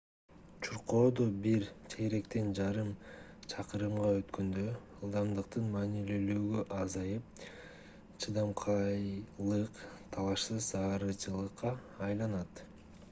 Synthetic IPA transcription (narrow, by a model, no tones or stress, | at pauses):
t͡ʃʰuɾqo̞ːd̪obiɾt̪ʰeɡeɾe̞kt̪e̞nd͡ʒɑɾɯm | t͡ʃʰɑqɯɾɯmʁɑø̞t̪kø̞nd̪ø̞ɯlˠd̪ɑmd̪ɯq̚t̪ɯnmɑːniløløːɡøʔɑzɑjɯp̚ | t͡ʃʰɯd̪ɑmqʰɑjlˠɯqt̪ʰɑlˠɑʃsɯzɑːɾɯt͡ʃʰɯlˠɯqːɑːjlˠɑnɑt̪